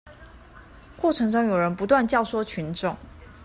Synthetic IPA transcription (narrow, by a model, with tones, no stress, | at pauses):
kwɔ˥˨ʈ͡ʂʰɤ˧˥ŋʂɑ˥ŋjo˨˩ʊɻə˧˦npu˧˥t̪̬wa˥˨nt͡ɕjɑ˥˨ʊswɔ˥t͡ɕʰy˨˧˦nʈ͡ʂʊ˥˨ŋ